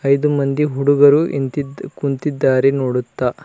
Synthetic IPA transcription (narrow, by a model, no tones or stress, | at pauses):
ɐjd̪umɐnd̪iɦuɽuɡɐɾuʔḛnt̪id̪kunt̪id̪ːaːɾenoːɽut̪ːa